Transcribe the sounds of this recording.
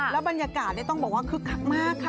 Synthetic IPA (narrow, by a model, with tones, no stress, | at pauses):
lɛ˦˥wba˧nja˧kaː˨˩t̪̚daː˥˩jt̪ɔ˥˩ŋbɔː˨˩kwaː˥˩kʰɯ˦˥kʰːa˦˥ŋ̚maː˥˩kʰːa˥˩